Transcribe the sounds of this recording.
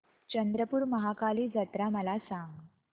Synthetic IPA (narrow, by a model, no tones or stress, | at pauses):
t͡ɕənd̪ɾəpuːɾməɦakaliːd͡zət̪ɾaməlasãŋɡ